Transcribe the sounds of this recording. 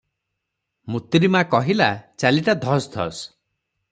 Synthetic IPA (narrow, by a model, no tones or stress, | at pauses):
mut̪ɾimakɔɦilat͡ʃaliʈad̪ʱɔsd̪ʱɔ̰s